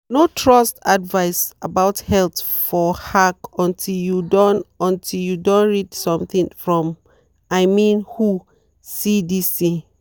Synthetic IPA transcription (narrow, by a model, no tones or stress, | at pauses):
notʰɹɔstadvaɪsabaʊthɛlθ | fɔhakɔ̃ntʰiljudɔ̃nɔ̃ntʰiljudõnɹidsɔ̃mθĩŋfɹɔ̃m | aɪmĩnhu | sidisi